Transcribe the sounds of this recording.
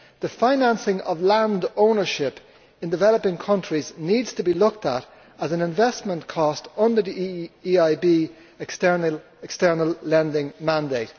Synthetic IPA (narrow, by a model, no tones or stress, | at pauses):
ðəfãɪ̃nãnsɪ̃ŋʔʌ̰vlãndõʊ̃nə˞ʃɪp | ɪ̃ndɪvɛləpɪ̃ŋkʰʌ̃nt͡ʃɹ̥izniːdz̥tʰəbilʊk̚tə̰ɾ | əzə̃nɪ̃ɱvɛsmə̃nkʰɔstʌ̃ndə˞ðiiaɪbi | stə˞n | ɛkstɜ˞nəlˠlɛ̃ndɪ̃ŋmãndeɪt̚